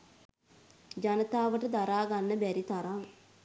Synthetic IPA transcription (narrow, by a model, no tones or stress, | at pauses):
d͡ʒanət̪aːʋəʈəd̪aɾaːɡanːəbæɾit̪aɾaŋ